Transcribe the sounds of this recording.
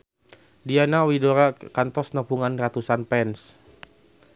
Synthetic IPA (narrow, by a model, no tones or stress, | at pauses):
dianawidoɾakant̪ɔsnapuŋanrat̪usanpɛns